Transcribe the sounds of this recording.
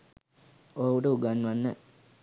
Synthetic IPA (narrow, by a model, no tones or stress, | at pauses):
owuɖəuɡanːʋanːə̰